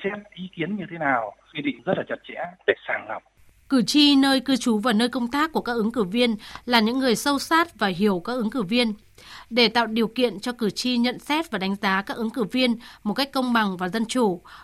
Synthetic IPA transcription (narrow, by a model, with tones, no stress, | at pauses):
sɛ˦˥t̚ʔi˨˦ki˨˦ənɲɨ˧t̪ʰe˨˦naː˨˩wxwi˧ɗḭ˧˨ŋ̟zə˦˥t̚laː˨˩t͡ɕə˨˩t̚t͡ɕɛ̰˧˥ɗe˧˩saː˧˩ŋŋa˨˩p̚ | kɨ˧˩t͡ɕi˧nəː˧jkɨ˧t͡ɕu˨˦vaː˨˩nəː˧jkə˧wŋ͡mt̪aː˦˥kːu˧˩əkaː˦˥kʔɨ˨˦ŋkɨ˧˩vi˧ənlaː˨˩ɲɨ̰˧˥ŋːɨ˨˩əjsə˧wsaː˦˥t̚vaː˨˩ɦi˧˩əwkaː˦˥k̚ʔɨ˨˦ŋkɨ˧˩vi˧ən | ɗe˧˩t̪a̰ː˧˨wɗi˨˩əwkḭ˧˨ənt͡ɕɔ˧kɨ˧˩t͡ɕi˧ɲə̰˧˨nsɛ˦˥t̚vaː˨˩ɗa˨˦jŋ̟zaː˨˦kaː˦˥k̚ʔɨ˨˦ŋkɨ˧˩vi˧ənmo˨˩ka˦˥k̟kːə˧wŋ͡mɓa˨˩ŋvaː˨˩zə˧nt͡ɕu˧˩